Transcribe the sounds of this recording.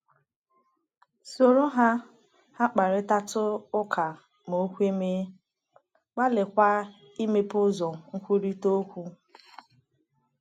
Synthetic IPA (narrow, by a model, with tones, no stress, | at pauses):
so˨ɾo˦ɦa˦ | ha˦k͡pa˨ɾɪ˦ta˦tʊ˦ʊ˦kʰa˨ | mo˨˦kʷe˦me˦ | ɡ͡ba˦lɪ˨kʷa˦ | i˦me˦pʊ˦zɔ˨ŋ̩˦kʷu˦ɾi˦to˦kʷu˦